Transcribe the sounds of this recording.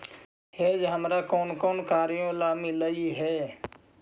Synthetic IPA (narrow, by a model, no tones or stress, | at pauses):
heːd͡ʒɦəmɾaːkoːnkɔːnkaːɾɪjõlaːmɪləiɦɛː